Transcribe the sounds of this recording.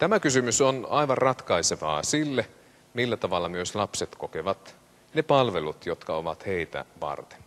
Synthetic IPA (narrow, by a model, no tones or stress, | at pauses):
t̪æmækysymysonɑiʋɑrrɑt̪kɑiseʋɑ̰ːsilːe | milːæt̪ɑʋɑlːɑmyøslɑpset̪kokeʋɑt̪ | nepɑlʋelut̪jot̪kɑoʋɑt̪he̞it̪æ̰ʋɑ̰rt̪e̥n